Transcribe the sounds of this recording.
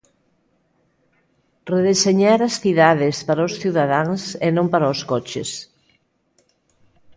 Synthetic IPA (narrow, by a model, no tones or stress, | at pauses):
reðeseɲaɾasθiðaðɪspaɾaosθiwðaðaŋsenõmpaɾaoskɔt͡ʃḛs